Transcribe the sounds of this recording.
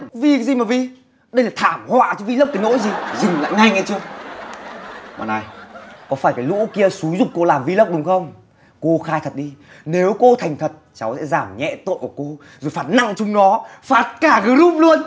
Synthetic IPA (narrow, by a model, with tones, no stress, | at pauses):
vi˧zi˨˩maː˨˩vi˨˩ | ɗə˧jlaː˨˩t̪ʰaː˧˩mhwa̰ː˧˨t͡ɕɔ˧vi˧lə˦˥p̪̚aː˨˦no̰˧˥jzi˨˩zï˨˩ŋla̰ː˧˨jŋa˧jŋʔa̰˧˦jt͡ɕɨ˧ə | ma̰ː˨˩na˨˩jkɔ˨˦faː˧˩jkaː˨˦jlṵ˧˥ki˧əsu˨˦jzʊ˨˩k͡p̚kːo˧laː˨˩mvi˧lə˦˥k͡p̚ɗʊ˨˦ŋ͡mxə˧wŋ͡m | ko˧xaː˧jt̪ʰə˨˩t̚ɗi˧ | ne˨˦wko˧t̪ʰa˨˩jŋ̟t̪ʰə˨˩t̚t͡ɕa˨˦wsɛ̰˧˥zaː˧˩mɲɛ̰˧˥t̪o̰˧˨jku˧˩əko˧ | zo˨˩jfaː˨˥t̚na̰˧˨ŋt͡ɕʊ˧ŋ͡mɗɔ˨˦faː˨˦˩t̚kaː˧˩ɣəː˨˦zu˦˥p̚lu˧ən